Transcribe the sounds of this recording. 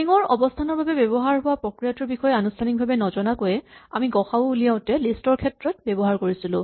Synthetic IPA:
iŋɔɹɔbɔstʰanɔɹbabɛbɛbɔɦaɹɦʊwapɹɔkɹijatɔɹbixɔjɛanustʰanik̚bʱabɛnɔzɔnakojɛamiɡɔxaoulijaʊ̃tɛlistɔɹkʰɛtɹɔt̚bɛbɔɦaɹkoɹisilʊ̰̃

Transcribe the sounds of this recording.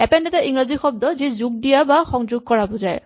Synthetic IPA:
ɛpɛndɛtaʔiŋɹazixɔb̚d̪ɔzizuɡ̚dijabaxɔŋzʊɡ̚kɔɹabɔzaj

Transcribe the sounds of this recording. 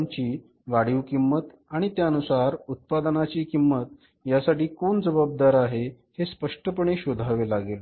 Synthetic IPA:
mt͡ɕiː | ʋaɽ̤iʋkimːət̪ | aɽ̃it̪jaənusaɾut̪̚pad̪ənat͡ɕiːkimːət̪̚ | jasaʈiːkoɳd͡zəbab̚d̪aɾaɦe | hespəʂʈəpəɳ̃eɕod̪ʱaʋelaɡel

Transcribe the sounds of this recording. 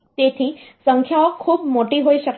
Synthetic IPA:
t̪et̪ʰisəŋkʰjaʋəkʰːuːbmoʈiɦoiɕək

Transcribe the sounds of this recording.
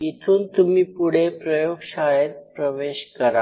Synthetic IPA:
it̪ʰuːnt̪umiːpuɽ̤epɾəjoɡɕajət̪̚pɾəʋeɕkəɾa̰

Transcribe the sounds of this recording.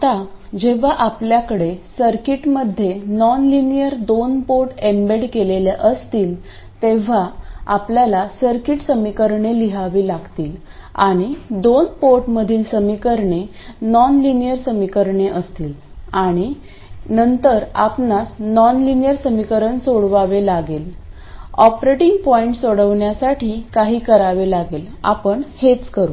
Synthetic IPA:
t̪ad͡ʑeʋ̤aʔapljakəɽesəɾkiʈməd̪ʱːjenɔnlinijəɾd̪onpoɾʈembeɽkeleljaʔəst̪iːl | t̪eʋ̤aapljalasəɾkiʈsəmikəɾɳeliɦaʋiːlaɡt̪iːl | a̰ɽ̃id̪onpoɾʈməd̪ʱiːlsəmikəɾɳe | nɔnlinijəɾsəmikəɾɳeʔəst̪iːl | aɽ̃i | nənt̪əɾa̰pɳasnɔnlinijəɾsəmikəɾəɳsoɽʋaʋelaɡel | ɔpɾeʈiŋɡpɔiɳʈsoɽəʋɳjasaʈʰiːkaɦiːkəɾaʋelaɡel | a̰pəɳhet͡skəɾuː

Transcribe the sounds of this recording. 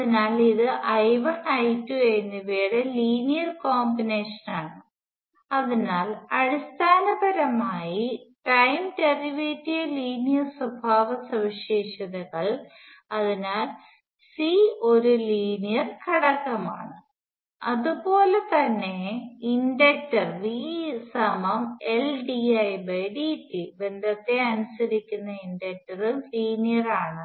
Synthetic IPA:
ɐðinaːliðɨʔɐjʋɐɳɐjtːuenːiʋeːɽeliːnijɐrkoːmbineːʂɐnaːɳɨ | ɐðinaːlɐɽist̪ʰaːnɐbɐɾɐmaːjiʈɐjmteriʋiːtːijɐliːnijɐrswɐbʱaːʋɐsɐʋiɕeːɕɐðɐɣɐɭ | ɐðinaːl | sio̞ɾuliːnijɐrkʰɐɽɐkːɐma̰ːɳɨ | ɐðupo̞ːlet̪ɐnːe̞inɖek̚tːɐrʋiːsɐmɐmelɖiɐjbɐɖitːibe̞nd̪ʱɐt̪ːe̞ɐnusɐɾikʲːunːɐinɖek̚ʈːɐrɨliːnijɐraːɳɨ

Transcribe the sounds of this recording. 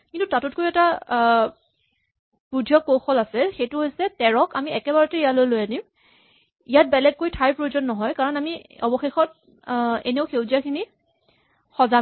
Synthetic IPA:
kintutatʊtkojɛta | pudʱjɔkːoxɔlasɛxejtʊɦojsɛtɛɹɔkamiɛkɛbaɹɔtɛijalojlojanim | ijat̚bɛlɛɡ̚kojtʰajpɹojzɔnːɔɦɔjkaɹɔnamiɔbɔxexɔt̚ | ḛneʊxewzijakʰini | xɔza

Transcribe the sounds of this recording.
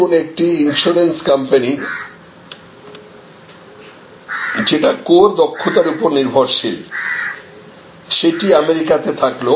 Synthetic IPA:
onek̚ʈiinsuɾenskampani | d͡ʑeʈakoɾd̪ɔkʰːot̪aɾupoɾniɾbʱoɾʃʰil | ʃeʈiameɾikat̪et̪ʰaklo

